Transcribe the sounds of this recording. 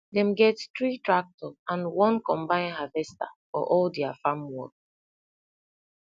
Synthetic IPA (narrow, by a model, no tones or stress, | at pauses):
dɛ̃mɡɛttɹitɹak̚tɔãnwɔ̃nkɔ̃mbãɪ̃nɦavɛsta̰ | ɔ̰ʔɔldɛafamwɔ̰k̚